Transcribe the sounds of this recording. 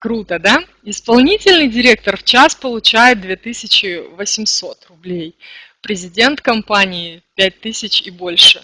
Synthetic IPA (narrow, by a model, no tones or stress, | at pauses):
kɾut̪əd̪a | ɪspɐlˠnʲitʲɪlʲnɨjdʲɪɾʲe̞k̚t̪ərft͡ɕaspəlˠʊt͡ɕæjɪt̪̚d̪vʲe̞t̪ɨsʲɪt͡ɕɪvəsʲɪmso̞t̪rʊblʲej | pɾʲɪzʲɪdʲe̞nt̪kɐmpanʲɪɪpʲæt̚ʲt̪ɨsʲɪt͡ɕɪbo̞lʲʂɨ